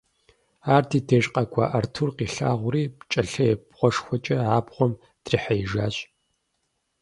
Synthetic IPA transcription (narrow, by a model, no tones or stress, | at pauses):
aːrtʰiːtʰeːʃʼqʼɐɡʷʰʼa̰ːʔɐrtʰurqiːɬa̰ːʁʷʊriːpt͡ʃʼɐɬɐjɛbʁʷɔʂxʷɔt͡ʃʼɐaːbʁʷɔm | d̥riħɐjɪʒaːɕʼ